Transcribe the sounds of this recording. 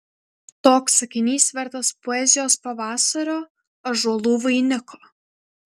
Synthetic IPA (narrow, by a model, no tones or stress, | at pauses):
t̪oːksɐkʲɪnʲiːsʲʋʲɛɾt̪ɐspɔɛzʲɪjoːspɐʋɑːsɐɾʲoː | ɐʒuːlˠuːʋʊinʲɪkoː